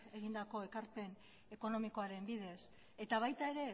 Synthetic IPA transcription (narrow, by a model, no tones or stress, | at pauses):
e̞ɣind̪ako̞e̞kaɾpe̞n | e̞ko̞no̞miko̞aɾe̞mbiðe̞s | e̞t̪aβ̞ajt̪ae̞ɾe̞